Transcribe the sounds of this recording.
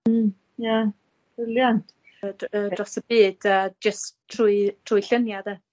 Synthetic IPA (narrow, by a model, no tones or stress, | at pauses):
m̩ | ja | b̥ɪljant | ədrɔsəbiːd̥əd͡ʒəstʰruːɨtʰruːɨɬənjadɛ